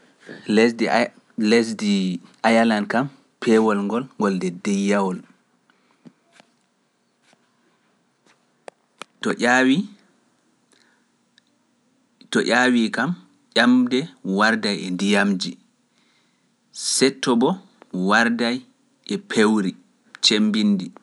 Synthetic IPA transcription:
ld | lesdiajalankam | pʰɛwɔlŋɡɔlŋɡɔldɛdɛjːawɔl | tɔʔʲawi | tɔʔʲawikam | ʔamdɛwaɾdajɛndijamd͡ʒi | sɛtːɔbɔ | waɾdaj | ʔɛpʰewɾi | t͡ʃembindi

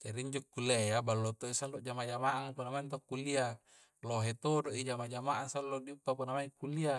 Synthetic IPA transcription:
t͡ʃaɾiiɲd͡ʒokːulejabalːot̪oisalːoʔd͡ʒamad͡ʒamaʔapunamaint̪̬okːulia | loɦet̪odoʔid͡ʒamad͡ʒamaʔasalːodiupːapunamaikulia

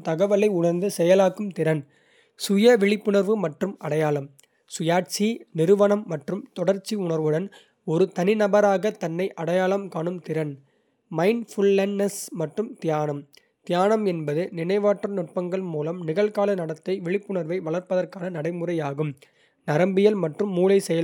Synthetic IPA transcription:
t̪ɐɣɐʋɐlɐɪʊɳɐɾnd̪ɯsɛjɐlaːkːɯmt̪ɪɾɐn | sʊjɐʋɛɭɪpːɯɳɐɾʋɯmɐʈrɯmɐɽɐjaːɭɐm | sʊjaːʈ̚t͡ʃinɪɾɯʋɐɳɐmːɐʈrɯmt̪ɔɽɐɾt͡ʃːiʊɳɐɾʋɯɽɐn | ɔɾɯt̪ɐnɪnɐbɐɾaːɣɐt̪ɐnːɐɪʔɐɽɐjaːɭɐmkaːɳɯmt̪ɪɾɐn | mɐɪnfʊlːɐnnɐsmɐʈrɯmt̪ɪjaːnɐm | t̪ɪjaːnɐmɛnbɐðɯnɪnɐɪʋaːʈrɯnʊʈ̚pɐŋɡɐɭmuːlɐmnɪɣɐɭkaːlɐnɐɽɐt̪ːɐɪʋɪɭɪpːɯɳɐɾʋɐɪʋɐɭɐɾpɐðɐrkaːnɐnɐɽɐɪmɯrɐɪjaːɣɯm | nɐɾɐmbɪjɐlmɐʈrɯmːuːlɐɪsɛjɐl

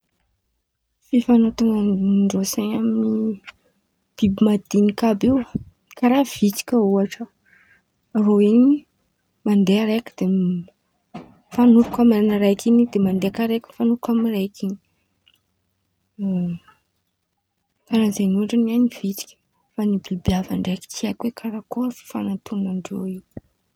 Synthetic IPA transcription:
fifanot̪uŋɡaɳɖ͡ʐosaɲamini | b̥ibimad̪̥inikabiw | kaɾav̥it͡s̪i̥kʲəuaʈ͡ʂəː | ɾoini | mand̪eaɾekə̥d̪̥e | fanuɾukamaɾanaɾajkinid̪emand̪eakaɾekʲəfanuɾukamirajkʰini̥ | kaɾazenuaʈ͡ʂanianiv̥it͡ʃi̥kʲə̥ | fanibibiavaɳɖ͡ʐeki̥kʰiakwekʰaɾakoɾfi̥fanat̪ʰunaɳɖ͡ʐo̰i

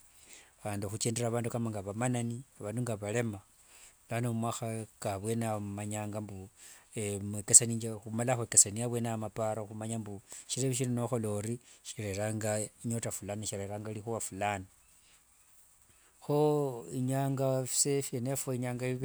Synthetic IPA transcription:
aβaːnduxut͡ʃeːndeɾaːβaːndukamaŋɡaβamananiaβanduŋɡaβale̞ma | lanomumwaxakaβwe̞namaɲaːŋɡambuemwekesaniːɲd͡ʒexumalaxwekesaniaβwenamapaɾaxumaɲambuʃiɾeβiʃ̬inenoxo̞lo̞ɾiʃiɾeɾaŋɡaiɲo̞tafulaniʃiɾeɾaːŋɡalixuβafulana | xoiɲaːŋɡafi̥sefenefoiɲaːŋɡaiβ

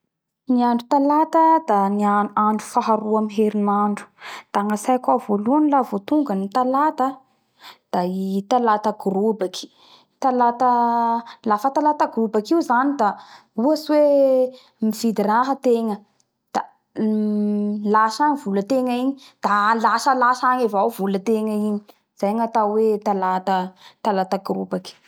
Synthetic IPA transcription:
niaɳɖ͡ʐut̪alat̪əd̪aniaaɳɖ͡ʐufaɦaɾuamiɦeɾinaɳɖ͡ʐu̥d̪̥aŋasajkwavoluanilavot̪uŋɡənit̪alat̪ə | d̪̥ait̪alat̪aɡɾubakʰi̥ | t̪alat̪ə | lafət̪alat̪aɡrubakiuzanid̪a | uaswe | mifid̪iɾaɦət̪eŋə | d̪̥a | laʃaŋivulət̪eŋəiɲid̪̥alaʃəlasaŋevawvulət̪eŋəiɲi̥ | z̥ajŋat̪awet̪alat̪ət̪alat̪aɡrubaki̥

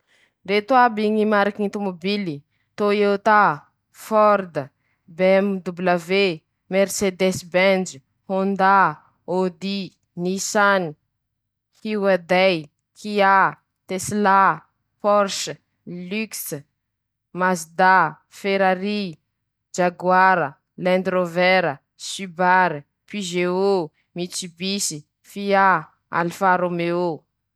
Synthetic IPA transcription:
ret̪wabiɲimaɾakinit̪omobili | t̪oewt̪a | fɔɾd̪ə | bɛmd̪ublave | meɾsed̪ɛsbɛnd͡ʒ | hond̪a | od̪i | nisani | hiwad̪aj | kʰia | t̪esla | pɔɾʃə | lyks | masd̪a | feɾaɾi | d͡ʒaɡwaɾə | lɛ̃nd̪ɾovɛɾə | sybaɾi | pyʒeo | mit͡sibisi | fia | a̰lfaɾomeo

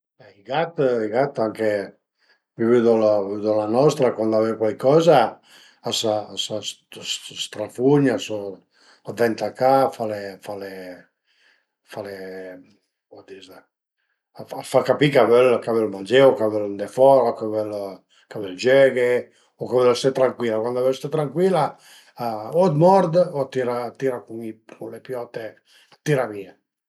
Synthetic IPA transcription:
bɛiɡat̪iɡat̪aŋke | vivyd̪ɔlvyd̪ɔlanɔst̪ɾakwand̪avɛwkwalkɔzaː | saasas | sst̪ɾafuɲaso | ad̪ɛnt̪akafalefale | fale | ɔd̪iz | afakapikavɛlkavɛlmand͡ʒɛwkavɛlnd̪efɔɾakavɛl | kavɛld͡ʒɛɡe | okavɛlst̪ɛt̪ːɾaŋkwiːlakwand̪avɛst̪et̪ɾaŋkwila | od̪mɔɾd̪ɔt̪iɾat̪iɾakuŋiulepjɔːt̪e | at̪ːiɾamiːa

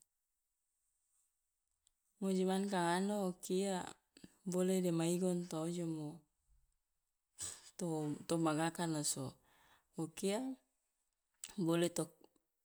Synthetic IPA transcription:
mod͡ʒimankaŋanoːkia | bolɛdɛmaiɡɔnt̪ood͡ʒɔmo | t̪ot̪ɔmaɡakanaso | okia | bolɛt̪ɔk̚

